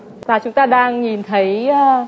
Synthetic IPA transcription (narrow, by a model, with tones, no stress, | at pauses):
vaː˨˩t͡ɕʊ˨˦ŋ͡mt̪aː˧ɗaː˧ŋɲi˨˩nt̪ʰə˨˦jəː˨˧